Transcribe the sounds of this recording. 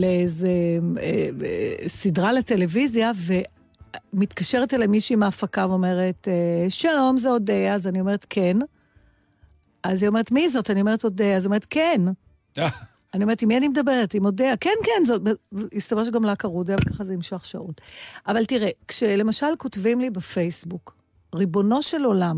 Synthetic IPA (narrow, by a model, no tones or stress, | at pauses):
leezeḛ | sidʁalete̞le̞vizjave̞ | mitkaʃeʁetelamiʃiːmaːfakaveome̞ʁeteʃalo̞mzeo̞deːzanio̞me̞ʁetkʰen | azio̞me̞ʁetmizo̞tanioeʁeto̞deaziome̞et̪̚ken | anioe̞etimianimedɐbe̞ʁetimodeakenkenzbist̪avaʃ̬ɡamlakaʁudjavekaχazeimʃaχʃa̰ʔutʔavaltiʁekʃele̞maʃalkotvimlibefejsbuk | ʁibo̞no̞ʃe̞lo̞lam